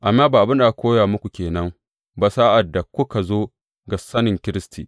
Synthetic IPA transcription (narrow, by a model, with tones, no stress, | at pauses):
ʔa˨mːaː˦baː˨ʔa˨bɪ˦nda˨a˨kʷoː˦jaː˨mʊ˦kʷu˨kʲeː˨nɐ˦ŋ | baː˨saː˦ʔa˨dːa˨kʷʊ˦ka˨zoː˦ | ɡa˨sɐ˦nɪ˨ŋkʲɪ˦ɾɪ˦stʰḭː˨